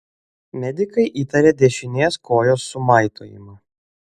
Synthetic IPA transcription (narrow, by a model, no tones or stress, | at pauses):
mʲɛd̪ʲɪkɐɪʔiːt̪ɐɾʲeːd̪ʲɛʃʲɪnʲeːskoːjoːsːʊmɐˑɪt̪ʰo̰ːjɪ̰mɐː